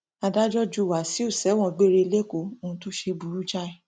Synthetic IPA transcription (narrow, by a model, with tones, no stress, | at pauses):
a˧da˦d͡ʒɔ˦d͡ʒu˦˨wa˨˦˨si˨˦o˦˨sɛ˨˦w̃ɔ̃˦˨ɡ͡be˦ɾe˧le˦ko˨õ˧˦to˦ʃe˧bu˨ɾu˦d͡ʒa˦ɛ˨